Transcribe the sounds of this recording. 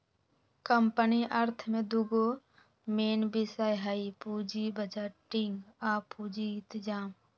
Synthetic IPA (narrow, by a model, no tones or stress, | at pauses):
kəmpəniʔɐɾt̪ʰmẽd̪uɡo | meːnbisaːjɦaipuːd͡ʒibəd͡ʒaːʈiŋɡaːpud͡ʒĩt̪d͡ʒaːm